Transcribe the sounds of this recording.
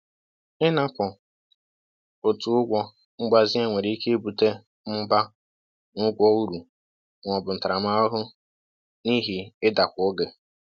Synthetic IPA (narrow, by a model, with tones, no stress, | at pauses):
ɪ˦na˦pɔ˨ | o˨tu˨ʊ˦ɡʷɔ˦ | ŋ͡m̩˦ɡ͡ba˨zi˦e˦ŋʷe˨ɾi˦i˦ke˦e˦bu˨te˦ | m̩˦ba˦ | nʊ˦ɡʷɔ˦u˦ɾu˨ | ŋʷɔ˨bʊ˨n̩˨ta˨ɾa˨ma˦o˦ɦʊ˦ | ni˦ɦi˨ɪ˦da˨kʷo˦ɡe˨